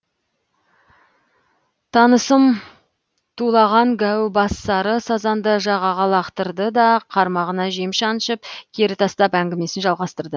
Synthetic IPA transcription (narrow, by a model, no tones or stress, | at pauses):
t̪ʰɑnəsəm | t̪ʰulˠɑʁɑŋɡʲæwbɑsːɑɾəsɑzɑnd̪əʒɑʁɑʁɑlˠɑqt̪əɾd̪əd̪ɑqʰɑɾmɑʁənɑʒemʃɑnəʃəp̚kʲʰeɾɪt̪ʰɑst̪ɑpæŋɡʲɪme̞sɪnʒɑlˠʁɑst̪əɾd̪ə